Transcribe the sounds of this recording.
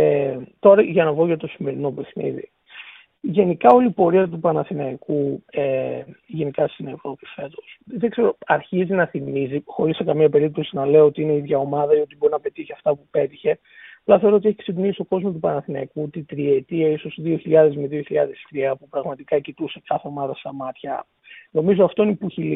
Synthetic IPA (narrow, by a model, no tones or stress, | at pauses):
et̪o̞ɾɐʝɐnɐvo̞ʝɐt̪o̞sime̞ɾino̞pe̞xnḭðḭ | ʝe̞nikɐo̞liːpo̞ɾiɐt̪upɐnɐθinɐikueʝe̞nikɐst̪inevɾo̞pi̥fe̞t̪o̞sðe̞ɡze̞ɾo̞ɐɾçizinɐθimizixo̞ɾisːekɐmɲɐpe̞ɾip̚t̪o̞sinɐle̞oot̪iineiðʝɐo̞mɐðɐio̞t̪ibo̞ɾinɐpe̞t̪içiɐft̪ɐpupe̞t̪içe̞ | ɐplɐθeo̞ɾoot̪ieçi̥ksed̪unisist̪o̞ko̞zmot̪upɐnɐθinɐ̰ikut̪it̪ɾiet̪iɐiso̞sðio̞çiʎɐðe̞zmiðio̞çiʎɐðe̞st̪ɾiɐpupɾɐɣmɐt̪ikɐcit̪usekɐθe̞o̞mɐðɐst̪ɐmɐt̪çɐ̰ | no̞mizo̞ɐft̪o̞inipuçili